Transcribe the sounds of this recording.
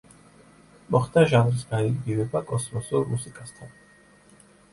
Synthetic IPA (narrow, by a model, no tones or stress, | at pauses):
mɔχd̪aʒanɾisɡanid̪ɡivɛbakʼɔsmɔsuɾmusikʼast̪ʰan